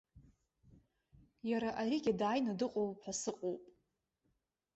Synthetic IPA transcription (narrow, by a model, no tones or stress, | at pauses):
jaɾaʔariɡʲadaːjnadɨqʼowpħasɨqʼowpʼ